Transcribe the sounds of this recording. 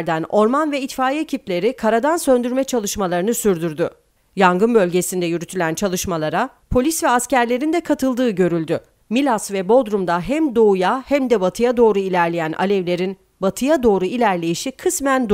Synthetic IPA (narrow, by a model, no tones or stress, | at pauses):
ɾd̪æno̞ɾmanvɛit̪faːjieciplʲe̞ɾikʰaɾad̪ansø̞nd̪yɾmɛt͡ʃʰalˠɯʃmalˠaɾɯnɯsyɾd̪yɾd̪y | jaŋɡɯnbølʲɟe̞sind̪ɛjyɾyt̪ʰylʲænt͡ʃʰalˠɯʃmalˠaɾa | pʰo̞lʲisvɛascæɾlʲe̞ɾind̪ɛkʰat̪ʰɯlˠd̪ɯːɟø̞ɾylʲd̪y | milʲasvɛbo̞d̪ɾumd̪aɦæmd̪o̞ujahæmd̪ɛbat̪ʰɯjad̪o̞ːɾuilʲæɾlʲejænʔa̰lʲɛvlʲe̞ɾin | bat̪ʰɯjad̪o̞ːɾuilʲæɾlʲe̞jiʃikʰɯsmænd̪